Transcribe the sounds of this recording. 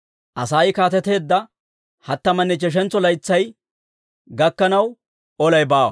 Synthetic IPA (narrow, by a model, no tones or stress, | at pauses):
ʔɐsaːjkaːt̪ɛt̪e̞ːd̪ːɐ | hɐt̪ːɐmɐnːɛt͡ʃɛʃ̬ɛnt͡sːɔlɐjt͡sːɐj | ɡɐkːɐnɐw | ɔlɐjbaːwɐ̰